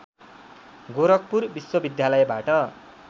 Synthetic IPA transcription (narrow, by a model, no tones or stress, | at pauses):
ɡoɾʌk̚purbiswʌbid̪jalʌjebaʈʌ